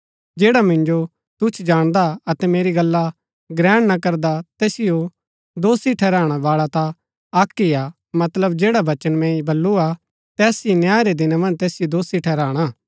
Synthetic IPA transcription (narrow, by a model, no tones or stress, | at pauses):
d͡ʒeːɽamɪ̃nd͡ʒo | t̪ʊt͡ʃʰd͡ʒaːɽ̃d̪aɐt̪ɛmeːɾiɡɐlːa | ɡɾɛːɽ̃nakɐɾd̪at̪ɛːsɪjo | d̪oːsiʈʰɛːɾaːɽ̃aʋaːɭat̪a | aːkːija | mɐt̪ləbd͡ʒeːɽaʋɐt͡ʃənmɛ̃ibɐlːua | t̪ɛːsinjaːɾed̪ɪnamɐ̃nd͡ʒt̪eːsɪjod̪oːsiʈʰɛːɾaːɽ̃aː